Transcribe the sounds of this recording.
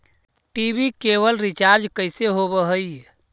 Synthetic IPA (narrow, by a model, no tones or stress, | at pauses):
ʈibikeβəlɾit͡ʃaɾd͡ʒkəjseɦobəɦəj